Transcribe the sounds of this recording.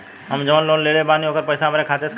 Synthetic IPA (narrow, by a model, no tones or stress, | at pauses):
ɦəmd͡ʒəʋənloːnleːɽebaːniɦoːkəɾpəɪsamɾekʰaːt͡ʃes